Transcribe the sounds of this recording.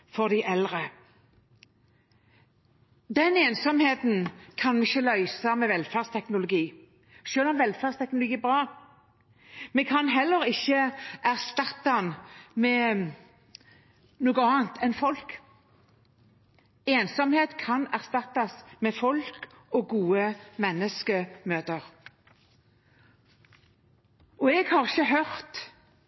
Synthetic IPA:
fɔʁd̪æɪʔɛlʁə | d̪ɛneːnsɔmheːt̪n̩kʰɑnmɛɪçːəlœʏsɑmɛʋɛlfæʁst̪ʰɛknʊlʊɡiː | ʃøːlɔmʋɛlfæʁst̪ʰɛk̚nʊlʊɡiːɛbʁɑː | mɛkʰɑnɦɛlːəɾɪçːəʔæʁst̪ɑt̪ːɑmɛ | nuːɡəɑːnt̪ʰɛnfɔlk | eːnsɔmheːt̪kʰɑnæʁst̪ɑt̪ːɑsmɛfɔlk | ɔɡuːəmɛnːəskəmøːt̪əʁ | ɔɛɡhɑʁɪçəɦœʁt̪

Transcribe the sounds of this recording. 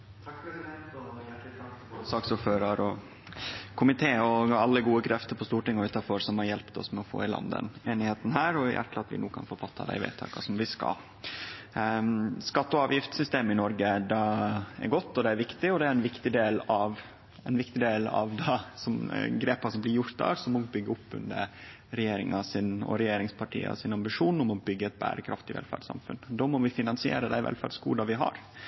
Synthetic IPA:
sɑːksuːɾføːɾɑɾɔ | kʰʊmɪt̪ʰeːɔɑlːəɡuːəkʰɾʔɛft̪əɾpʰɔst̪uːʈɪŋːɔʉːt̪ɑɾfɔɾsɔmhɑɾjɛlpt̪ɔ̰smɛɔfo̰ːɪlɑ̰nd̪ə̰neːnɪheːt̪n̩ɦæːɾɔɪjʔæ̰ʈːʰəɑt̪ʋɪ̰nuːkʰɑ̰nfɔɾfɑt̪ːɑ̰d̪æ̰ɪʋḛɪt̪ʰːɑ̰ːkʰɑ̰sɔmʋɪskɑ̰l | skɑt̪ːəɔɑːʋjɪft̪sʏst̪eːmɪnɔɾɡəd̪ɑɛ̰ɾɡɔt̪ːɔd̪ɛæɾʋɪkt̪ɪɔd̪ɛæɾɛnʋɪkt̪ɪd̪eːlɑʋ | ɛnʋɪkt̪ɪd̪eːlɑ̰ʋd̪ɑsɔmɡɾeːpɑʂɔmblɪɾjʊɾt̪̚d̪ɑ̰ːɾsɔmːɔbʏɡːəʊpːʉ̰nd̪ə̰ɾ | ɾɛjeːɾɪŋɑsɪnɔ̰ɾɛjeːɾɪŋspʰɑʈʰḭːɑ̰sɪnɑmbɪʂuːnʊmɔbʏɡːəɛt̪̚bæ̰ːɾəkʰɾɑft̪ɪʋɛ̰lfæ̰ːɖsɑ̰mfʉnd̪oːmɔʋɪfɪnɑnsɪḛːɾəd̪æɪʋɛ̰lfæɖskuːd̪ɑʋɪɦɑ̰ɾ

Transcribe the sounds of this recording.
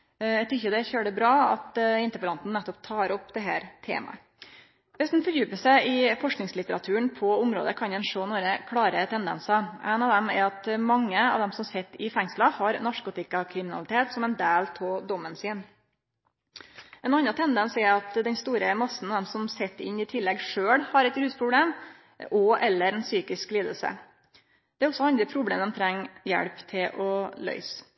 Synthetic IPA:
æɡt̪ʰʏçːəd̪ɛçøːɖəbɾɑːɑ̰t̪ɪnt̪əɾpəɾɑnt̪n̩nɛt̪ːɔpt̪ʰɑːɾɔpːd̪ɛɦæ̰ːɾt̪ʰḛːmɑ̰ə | ʋɛsd̪ɛnfɔɾjʉːpəsɛʔɪfɔʂknɪŋslɪt̪əɾɑt̪ʰʉːəɳpʰɔʊmɾo̰ːd̪əkʰɑnɛnʂoːnoːɾəkʰɽɑːɾət̪ʰɛnd̪ɛ̰nsɑʔæ̰ɪnɑʋd̪ɛmɛ̰ɾɑt̪mɑŋːəɑ̰ʋd̪ɛmsɔmsɛt̪ːɪfɛŋslɑhɑɾnɑʂkʊt̪ɪkɑkʰɾɪmɪnɑ̰lɪt̪ʰeːt̪sɔmɛnd̪æːlt̪ʰoːd̪ɔmːənsiːn | ʔɛnɑnɑt̪ʰɛnd̪ɛnsɛɾɑt̪d̪ɛnst̪uːɾəmɑsːn̩ɑʋd̪ɛmsɔmsɛt̪ːɪ̰nːɪt̪ʰɪlːɛɡʂøːɽhɑɾɛt̪ɾʉːspʰɾʊbleːm | ʔɔʔɛlːəɾɛnsyːkɪskliːd̪əlsə̰ | d̪̥ɛæɾɔsɔɑnd̪ɾəpʰɾʊbleːmd̪ɛmt̪ʰɾɛŋːjɛ̰ɽpt̪ʰɪlʔɔlœ̰ʏs

